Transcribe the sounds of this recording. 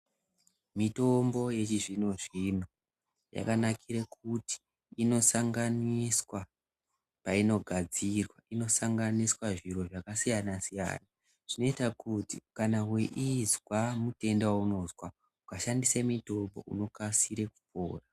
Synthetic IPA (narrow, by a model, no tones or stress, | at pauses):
mito̞mbo̞je̞t͡ʃiʐino̞ʐino̞ | ja̰kanakʰiɾekʰuti̥ː | no̞saŋɡaniswa | paino̞ɡʱad͡zirwaʔino̞saŋɡaniswaʐiɾo̞ʐakasijanasija̰ːna | ʐ̥ino̞itakutḭkanaweʔizwamute̞ndwauno̞zwa | ukaʃandisemito̞mbo̞̰ʔṵno̞kasiɾeku̥po̰ːra